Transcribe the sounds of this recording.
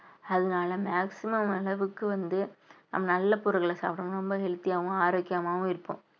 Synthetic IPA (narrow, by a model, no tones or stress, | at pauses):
ɐðɯnaːlɐmaːksɪmɐmɐlɐʋɯkːɯʋɐnd̪ɯnɐ̰mːɐnɐlːɐpʊɾɐɣɐɭɐsa̰ːpʈɐ̃mɾɔmbɐɦɛɻɯt̪ːɪjaːʋʊ̃aːɾoːkːɪjaːmaːʋʊ̃ɪɾɯpːõ̰ː